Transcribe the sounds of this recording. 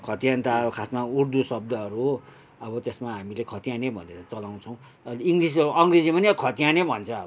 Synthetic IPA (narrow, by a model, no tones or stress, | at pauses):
kʰʌt̪ijant̪akʰasmaurd̪usʌb̚d̪ʌɦʌɾuɦo | ʌbʌt̪esmaɦamilekʰʌt̪ijanebʱʌneɾʌt͡sʌlaw̃t͡sʰʌw̃ | liŋɡris̬ʌuʔʌŋred͡zimʌniʌkʰʌt̪ijanebʱʌnt͡sʰʌbʌ